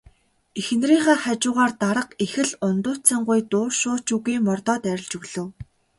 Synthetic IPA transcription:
ixɘ̆nriːχaːχat͡ɕʊːʁaːrt̪aɾə̆qexɘ̆ɮʊnt̪ʊːt͡sə̆ɴɢʊjt̪ʊːrʃʊːt͡ɕuɣiːmɔrt̪ɔːt̪æɾʲɪ̆ɮt͡ɕɵɣɮɵ̆w

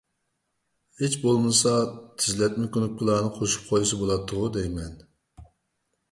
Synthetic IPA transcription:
het͡ʃbolˠmɨsɑt̪ʰɪzlɛt̪̚mɪkʲønukʲːʊlˠɑːnɨqʰoʃu̥p̚qʰojs̬ɨbolˠɑt̪ʰːʊʁʊd̪ɛjmɛn

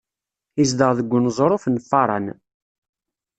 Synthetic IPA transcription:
isd̪əʁðəɡʷːʊnzˤɾˤofnfːɑɾˤɑ̰n

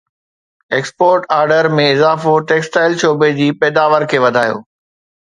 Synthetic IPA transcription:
eːkspoːɾʈaːɾɖəɾmẽɪzaːfoʈeːksʈaːɪlʃoːbed͡ʑiːpɛːd̪aːʋəɾkʰeːʋɐd̪ʱaːjo̰ː

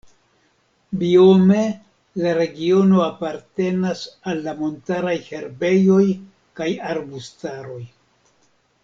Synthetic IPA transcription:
bio̞me̞ | laɾe̞ɡio̞no̞apaɾte̞nasalːamo̞ntaɾajhe̞ɾbe̞jo̞j | kajaɾbustaɾo̞j

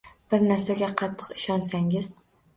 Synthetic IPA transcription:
b̥ɪɾnaɾsaɡʲaqʰɑt̪ʰːɨ̥qɪʃɒnsaŋɪz

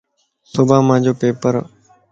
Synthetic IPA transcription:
sʊbʱãːmãːd͡ʑoːpeːpəɾ

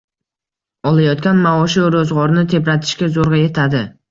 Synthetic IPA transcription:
ɒlˠajɒt̪kʲanmaɒʃiɾozʁɒɾɪnɪt̪ʰe̞pɾat̪ʰɪ̥ʃkʲazoɾʁɑje̞t̪ʰad̪ɪ

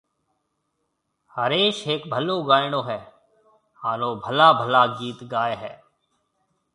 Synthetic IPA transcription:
həɾeːʃɦeːkbʱəloːɡaːɪɽõːɦɛː | haːnõːbʱəlaːbʱəlaːɡiːt̪ɡaːeɦɛː

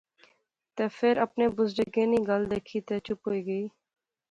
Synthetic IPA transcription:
t̪eːfʰɪɾəpneːbʊzɖəɡẽːniːɡəld̪eːkʰiːt̪eːt͡ʃʊpɦoːiːɡəiː

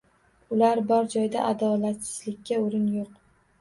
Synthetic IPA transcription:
ʊlaɾbɒɾd͡ʒɒjd̪a̰ʔad̪ɒlat̪sɪ̥zlɪkʲːaoɾɪnjoq

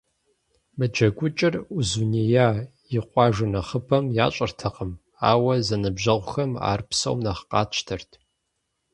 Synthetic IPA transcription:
mɨd͡ʒɐɡʷʊt͡ʃʼɪruzunijaː | jɪqʷɑːʒɨnɐχəpʰɐmja̰ːɕʼɐrtʰɐqəm | a̰ːwɐzɐnɨbʒɐʁʷʊxɐma̰ːrpsɐ̰wmnɐχqɑːt͡ʃʰtʰɐrtʰ

